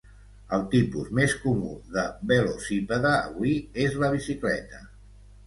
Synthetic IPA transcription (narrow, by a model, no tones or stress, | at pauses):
əlˠt̪ipṵzmeskumṵðəbelosipəðə̰ːβwiezləβ̞isiklɛ̰t̪ə